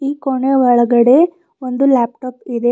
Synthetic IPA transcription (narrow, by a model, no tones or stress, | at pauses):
iːkoɳeʋɔɭɐɡɐɽe̞ | ond̪ulaːp̚ʈɐːpid̪e̞